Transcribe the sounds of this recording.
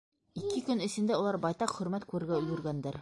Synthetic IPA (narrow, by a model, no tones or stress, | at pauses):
ikɘkɵnɘ̆sɘ̆nd̪æulˠɑɾbɑjt̪ɑqχɵ̆ɾmæt̪kʉɾɘ̆ɾɡæɵ̆jɘ̆ɾɡænd̪æɾ